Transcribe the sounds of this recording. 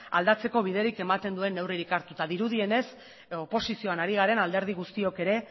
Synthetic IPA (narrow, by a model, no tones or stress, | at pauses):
a̰ld̪at͡se̞ko̞β̞iðe̞ɾike̞mat̪e̞nd̪ue̞nːe̞wriɾikaɾt̪ut̪aðiɾuðie̞ne̞s | o̞po̞sisio̞anaɾiɣ̞aɾe̞nald̪e̞ɾð̞iɣ̞ust̪io̞ke̞ɾe̞